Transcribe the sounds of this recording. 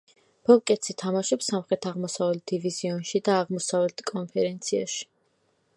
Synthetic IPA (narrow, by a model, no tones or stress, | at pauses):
b̥ɔlˠkʼɛt̪sit̪ʰamaʃɔpsamχɾɛt̪ʰaʁmɔsavlɛt̪̚d̪iviziɔnʃid̪aːʁmɔsavlɛt̪ʰkʼɔnpʰɛɾɛnt̪sʰia̰ʃi̥